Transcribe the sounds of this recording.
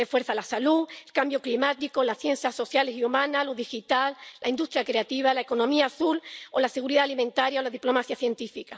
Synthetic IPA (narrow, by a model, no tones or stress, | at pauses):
efwe̞ɾθalasaluelkambjoklimat̪iko̞lasθje̞n̟θjaso̞θjale̞siumãnaloðixit̪allʔaind̪ust̪ɾjakɾeat̪iβ̞alaeko̞nõmĩaːθulolase̞ɣ̞uɾiðaalimẽnt̪aɾjaolaðiplo̞maθjaθje̞nt̪ifika